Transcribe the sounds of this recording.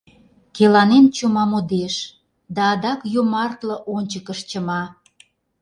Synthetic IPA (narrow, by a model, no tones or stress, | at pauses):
kelɑnent͡ɕumɑmod̪eʃ | d̪ɑːd̪ɑkjomɑrt̪lə̆ʔonʲt͡ɕəkəʃt͡ɕəmɑ